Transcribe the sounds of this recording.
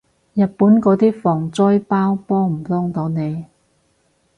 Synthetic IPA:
jɐ˨t̚puː˨˥nkɔː˨˥t̪iː˥fɔː˨˩ŋt͡sɔː˥jpaː˥wpɔː˥m̩˨˩t̪ʊ˥ŋt̪o˨˥wne˨˧j

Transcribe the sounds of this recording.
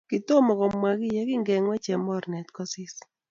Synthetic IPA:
kɪ˨t̪o˦mɔ˨kɔ˨mwa˨ɡɪ˦jɛ˦kɪ˦ŋɡɛ˨ŋwɛ˦t͡ʃɛ˨mɔ˦˨ɾnɛ˨t̪kɔ˦sɪ˦s

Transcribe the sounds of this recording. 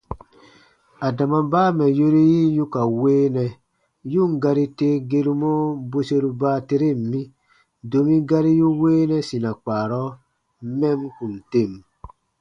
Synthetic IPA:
a˨da˨ma˨mbaː˦mɛ˨jo˦ɾi˦ji˦ju˦ka˨weː˦nɛ˨ | ju˦ŋ˨ɡa˦ɾi˦te˦ɡe˦ɾu˦mɔ˦bo˦se˦ɾu˦baː˦te˦ɾe˦˨m˨mi˦ | do˨mi˦ɡa˦ɾi˦ju˦weː˦nɛ˦si˨na˨k͡paː˨ɾɔ˦ | mɛ˦mku˨n˨te˦˨m

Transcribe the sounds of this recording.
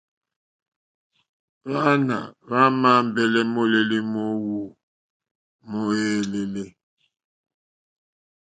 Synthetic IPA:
βa˦na̰˨βa˦ma˦m˦bɛ˨lɛ˦mo˦le˨le˦mɔ˦wu˨ | mɔ˦e˦le˨le˦

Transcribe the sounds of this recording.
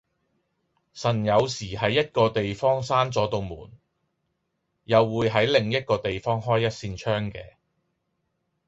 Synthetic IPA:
sɐ˨˩njɐ˨˧wsiː˨˩ɦɐ˨˥jːɐ˥t̚kɔː˧t̪e˨jfɔː˥ŋsaː˥nt͡sɔː˨˥t̪o˨˧wmṵː˨˩n | jɐ˨wːuː˨˧jɦɐ˨˥jlɪ˨˩ŋjɐ˥t̚kɔː˧t̪e˨jfɔː˥ŋɦɔː˥jːɐ˥t̚siː˧nt͡ʃʰœː˥ŋkɛ̰ː˧

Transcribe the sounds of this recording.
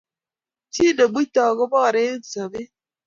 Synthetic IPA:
ti˦də˨bi˦tɔː˨ɣə˦bɔ˦˨ɾe˦n̩˨sə˨bi˦

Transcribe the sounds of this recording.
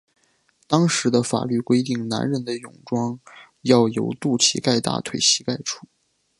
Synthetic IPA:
t̪ɑ˥ŋʂɻ̩˧˥d̪ə˧fa̰˨˩ly˥˩kwe˥ɪt̪̬i˥˩ŋna̰˧˥nɻə˧˥nd̪ə˧jʊ˨˩ŋʈ͡ʂwɑ˥ŋ | jɑ˥˩ʊjo̰˧˥ʊt̪u˥˩t͡ɕʰḭ˧˥ka˥˧ɪt̪a̰˥˩t̪ʰwe˨˩ɪɕi˧˥ka˥˩ɪʈ͡ʂʰu˥˩˦

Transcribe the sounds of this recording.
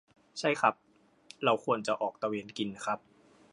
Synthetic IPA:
t͡ɕʰa˥˩jkʰa˦˥p̚ | ɾa˧wkʰu˧ənt͡ɕa˨˩ʔɔː˨˩k̚t̪a˧weː˧nki˧nː˦˥kʰa˦˥p̚

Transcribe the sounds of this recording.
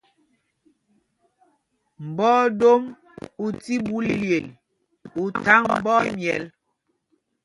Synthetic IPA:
m̩˨bɔ˦do˦m | u˨ti˦bu˨˦llje˨l | u˨ta˦ŋm̩˨bɔ˦mjɛ̰˨l

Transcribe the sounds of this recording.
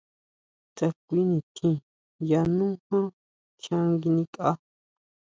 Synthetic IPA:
t͡sa˧kʷi˦nĩ˨t̪ʰĩ˧˨ | ja˧nũ˦hã˦ | t͡ʃã˦ŋɡi˧nĩ˧kʼa˦

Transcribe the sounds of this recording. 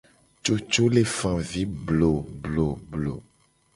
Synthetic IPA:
t͡ʃo˦t͡ʃo˦le˨fã˨vi˦blo˨blo˨blo˨

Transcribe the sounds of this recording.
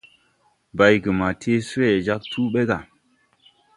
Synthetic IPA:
ba˨jɡə˨ma˨tʰe˦swe˨d͡ʒa˦k̚tu˦ɓe˦ɡa˨

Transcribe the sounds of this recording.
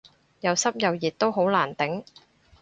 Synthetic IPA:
jɐ˨˧wsɐ˥p̚jɐ˨wjiː˨t̚t̪ːo˥wɦo˨˥wlaː˨˩nt̪ɪ˨˥ŋ

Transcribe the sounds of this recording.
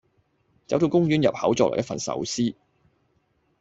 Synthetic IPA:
t͡sɐ˨˥wt̪o˧wkʊ˥ŋjyː˥njɐ˨p̚hɐ˨˥wt͡sɔː˧˨ɔ̰ː˨jɐ˥fɐ˨nsɐ̰˨˥wsiː˥

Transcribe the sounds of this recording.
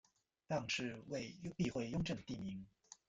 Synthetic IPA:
t̪ɑ˥˧ŋʂɻ̩˥˧we˥˩ɪpi˥˧xwe˥˩ɪjʊ˥ŋʈ͡ʂɤ˥˩ŋd̪ə˩t̪i˥˩mi˧˥ŋ

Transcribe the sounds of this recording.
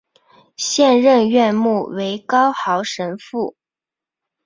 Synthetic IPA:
ɕjɛ˥˧nɻə˥˧nɥɛ˥˧nmu˥˩we˧˥ɪkɑ˥ʊxɑ˧˥ʊʂə˧˥nfu˥˩

